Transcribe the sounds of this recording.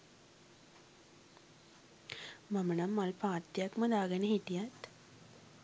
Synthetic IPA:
mɐmənɐmːalpaːt̪jakmɐd̪aːɡəneɦiʈ̪ijat̪

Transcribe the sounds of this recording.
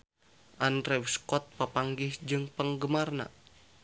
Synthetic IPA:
ʔanrɛwskɔt̪̚papaŋɡɪhd͡ʒɨŋpəŋɡəmarna̰

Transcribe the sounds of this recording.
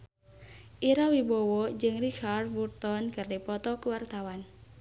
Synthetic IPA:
ʔiɾawibɔwɔd͡ʒɨŋrikʰard̚wut̪ɔnkɨrdipɔt̪ɔkuwart̪awan

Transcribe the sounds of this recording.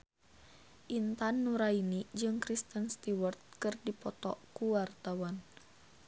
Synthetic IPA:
ʔint̪anːuɾainid͡ʒɨŋkɾist̪ənst̪iwərt̪̚kɨrdipɔt̪ɔ̰kuwart̪awan

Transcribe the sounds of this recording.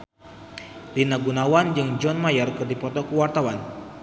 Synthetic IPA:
linaɡunawand͡ʒɨŋd͡ʒɔnmajərkɨrdipɔt̪ɔkəwart̪awan

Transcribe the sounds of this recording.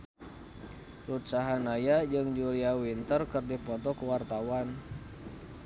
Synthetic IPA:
rut͡ʃaɦanajad͡ʒɨŋd͡ʒuliawint̪ərkɨrdipɔt̪ɔkuwart̪awan

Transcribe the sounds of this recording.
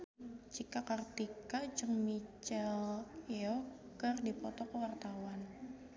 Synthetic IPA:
t͡ʃikakart̪ikad͡ʒəŋmit͡ʃɛleɔ | kərdipɔt̪ɔkəwart̪awan

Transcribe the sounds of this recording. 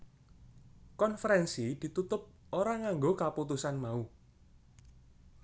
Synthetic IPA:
kɔnfəɾɛnsid̪̥i̤t̪ut̪ʊp̚oɾaŋaŋɡokaput̪usanmau

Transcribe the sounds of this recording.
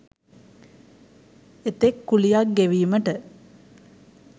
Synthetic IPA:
et̪ekːulijak̚ɡeʋiːməʈə

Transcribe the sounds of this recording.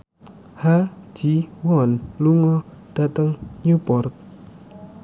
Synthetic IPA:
had͡ʒiwɔnluŋɔd̥at̪əŋɲupɔrk̚

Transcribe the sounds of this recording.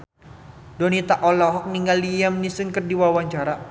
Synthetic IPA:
donit̪aʔɔlɔɦɔk̚niŋɡalːijamnisɨnkɨrdiwawaɲt͡ʃaɾa

